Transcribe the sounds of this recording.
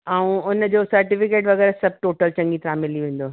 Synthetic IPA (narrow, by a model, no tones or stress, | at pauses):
aːũʊnəd͡ʑoːsɐɾʈɪfɪkeːʈʋɐɣɛːɾasɐb̚ʱʈoːʈəlt͡ɕɐ̃ŋɡit̪ɾaːmɪliʋẽːn̆d̪oː